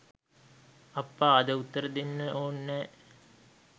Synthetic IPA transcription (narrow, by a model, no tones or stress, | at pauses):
ɐpːaːd̪əut̪ːəɾəd̪enːəʔoːnːɛː